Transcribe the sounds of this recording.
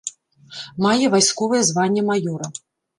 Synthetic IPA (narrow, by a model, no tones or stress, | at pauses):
majɛvajskɔvɨjɛzvanʲːɛmajɔɾɐ